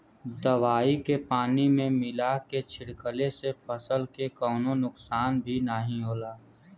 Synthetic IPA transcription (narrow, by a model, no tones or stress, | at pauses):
d̪əʋaːikepaːnimẽmɪlaket͡ʃʰɪɽkəlesepəsəlkekɔːnonʊksaːnbʱinaɦĩɦoːlaː